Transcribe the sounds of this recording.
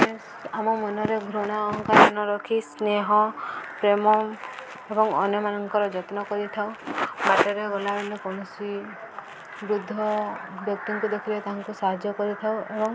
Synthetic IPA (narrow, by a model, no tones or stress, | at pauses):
e | amɔmɔnɔɾeɡʱɾuɽ̃aɔŋkaɾɔnɔɾɔkʰisneɦɔpɾemɔ | ebɔŋɔnjɔmanɔŋkɔɾɔd͡ʒɔt̪nɔkɔɾit̪ʰawbaʈɔɾeɡɔlabelekɔɽ̃ɔsi | bɾud̪ʱːɔbɔkʈiŋkud̪ekʰiɾet̪aɦaŋkusaɦad͡ʒjɔkɔɾit̪ʰawebɔŋ